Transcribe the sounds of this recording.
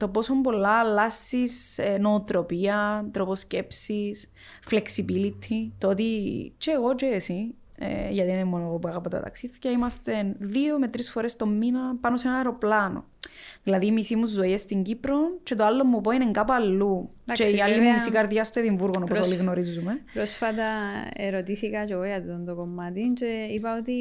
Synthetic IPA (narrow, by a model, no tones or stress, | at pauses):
t̪o̞po̞sombo̞lːɐlːɐsːiseno̞ːt̪ɾo̞piɐt̪ɾoposcepsis | fleksibilit̪ʰit̪ot̪it͡ʃeːɣo̞t͡ʃeːsi | ḛʝɐt̪iinemonoɣopuɐɣɐpɐt̪ɐ̰t̪ɐ̰ksiθicɐimɐst̪enðiome̞t̪ɾisfo̞ɾest̪o̞mːinɐpɐnosenɐɐeɾo̞plɐno̰ | ðilɐðiːmisimuːoest̪iɲɟipɾo̞nt͡ʃe̞t̪oalːomːup̬o̞ineŋɡapuɐlːu | t͡ʃeiɐlːimumisikɐɾðjɐst̪eðiɱvuɾɣonopooliɣnoɾizːumepɾosfɐt̪ɐeɾot̪iθikɐceɣojɐt̪ut̪ont̪okomːɐt̪int͡ʃeipɐot̪i